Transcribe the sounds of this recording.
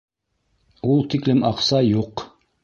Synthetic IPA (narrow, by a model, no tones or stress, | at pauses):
ulˠt̪iklɘmɑqsɑjuq